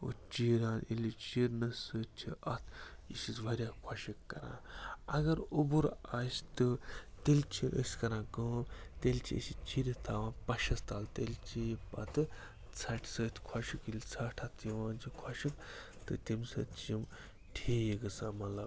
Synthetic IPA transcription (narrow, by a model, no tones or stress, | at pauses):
o̰t͡ʃiːɾaːnʔḭlʲit͡ʃiɾnɐsəːt͡ʃʰiʔɐt̪ʰisit͡sʋɐɾʲjaːkʰwaʃikːɐɾã̰ːɐɡɐɾobuɾast̪ɨt̪elʲt͡ʃʰiʔə̰sʲkɐɾãːkəːt̪elʲt͡ʃʰiḭsit͡ʃiɾʲit̪ʰaːʋãːpɐʃɐst̪aːlt̪elʲt͡ʃijipɐt̪ɨ | t͡sʰɐʈʰsəːt̪ʰkʰwɐʃikilʲt͡sʰɐʈʰɐt̪ʰiʋãːnt͡ʃʰikʰwaʃik | t̪ɨt̪ʲimsɐ̰t͡ʃim | ʈʰiiɡɨsaːmɐlɐb